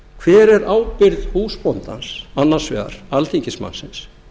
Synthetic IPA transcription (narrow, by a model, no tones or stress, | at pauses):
kʰvɛːɾɛɾaːwpɪɾðhuːspɔnt̪ansanːan̥svɛ̰ːɣa̰ɾ̥alθiɲcɪsma̰nsɪns